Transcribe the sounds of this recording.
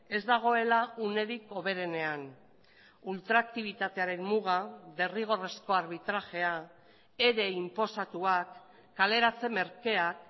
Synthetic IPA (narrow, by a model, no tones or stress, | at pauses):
e̞zd̪aɣ̞o̞e̞laune̞ðiko̞β̞e̞ɾe̞ne̞an | ult̪ɾaːk̚t̪iβ̞it̪at̪e̞aɾe̞mmuɣaðe̞riɣ̞o̞re̞sko̞aɾβ̞it̪ɾaʝe̞a | eɾe̞impo̞sat̪uakː | ale̞ɾat͡se̞me̞ɾke̞ak